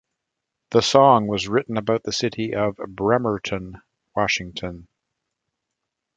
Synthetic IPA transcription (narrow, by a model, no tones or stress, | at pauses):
ðəsɔ̃ŋwʌzɹɪʔn̩ɨbaʊt̪̚ðɨsɪɾiʔʌvbɹɛmə˞ɾʰɨ̃n | wɑʃɪ̃ŋtʰɨ̃n